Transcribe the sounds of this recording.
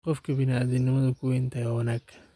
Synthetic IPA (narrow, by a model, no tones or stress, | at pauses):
qɔfkɐbɪnaːdɪnɪmɐðɐkuɪnt̪ɐjawɐnakː